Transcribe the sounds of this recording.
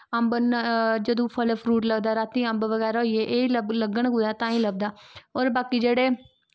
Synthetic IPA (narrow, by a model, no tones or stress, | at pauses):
əmbənd͡ʒəd̪õːpʰəlpʰɾuːʈləɡd̪aːɾaːt̪ĩːə̃mbʋəɡɛːɾaːɦoieːʔeːilələɡəɳɡuːd̪aːt̪ãːĩːləbd̪aːoːɾbaːkiːd͡ʒeːɽeː